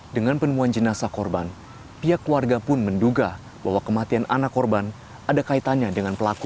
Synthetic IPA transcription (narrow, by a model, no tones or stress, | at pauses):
dəŋanpənəmuand͡ʒənasakɔrban | piakːluarɡapʊnmənduɡa | baɦwakəmat̪ianʔa̰nakːɔrban | adakait̪anɲadəŋanpəlaku